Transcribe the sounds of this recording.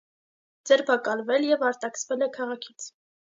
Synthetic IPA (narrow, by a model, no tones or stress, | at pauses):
d͡zɛɾpʰɑkɑlvɛljɛvɑɾt̪ɑksvɛlɛkʰɑʁɑkʰit͡sʰ